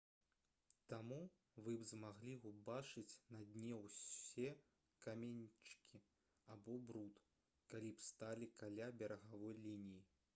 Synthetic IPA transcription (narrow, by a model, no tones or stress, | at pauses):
t̪amu | vɨbzmaɣlʲiubat͡ʂɨt͡sʲnɐd̪ʲnʲɛwsʲɛ | kamʲenʲt͡ʂkʲʰi | abɔbɾut̪ | kalʲipst̪alʲikalʲabʲɛɾɐɣavɔjlʲinʲiji